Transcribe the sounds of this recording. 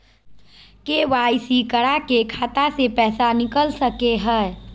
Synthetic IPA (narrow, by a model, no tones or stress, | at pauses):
keʋaːisikəɽakekʰaːt̪asepɛːsanɪkəlsəkeɦɛ